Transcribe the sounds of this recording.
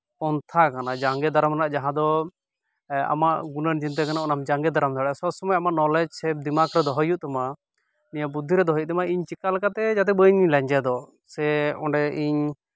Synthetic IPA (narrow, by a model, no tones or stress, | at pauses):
kɔnt̪ʰakanad͡ʒaŋɡɛd̪ʱaɾəmɾanaʔd͡ʒaɦãd̪ɔ | a̰maʔɡunənd͡ʒint̪̬ɛkanaʔɔnamd͡ʒaŋɡɛd̪ʱaɾəmd̪ʰʱaɽasɔsɔmɔjamaʔnɔlɛd͡ʒsɛb̚d̪imakɾɛd̪ɔɦɔjuʔt̪ɛma | nijabud̪ʱiɾɛd̪ɔɦɔjʔ̚t̪ɛmaiɲt͡ʃikalkat̪ɛd͡ʒat̪̬ɛbəɲlɛɲd͡ʒɛd̪ɔ | sɛɔɳɖɛiɲ